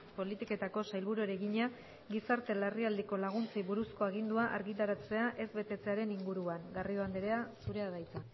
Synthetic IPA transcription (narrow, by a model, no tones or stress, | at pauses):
po̞lit̪ike̞t̪ako̞sajlβuɾuɾe̞ɣiɲa | ɡisaɾt̪e̞lariald̪eko̞laɣ̞unt͡siβuɾusko̞aɣ̞ind̪uaʔa̰ɾɣit̪aɾat͡se̞aʔe̞zβe̞t̪e̞t͡se̞aɾe̞niŋɡuɾuaŋɡariðoand̪eɾeasuɾe̞að̞ajt͡sa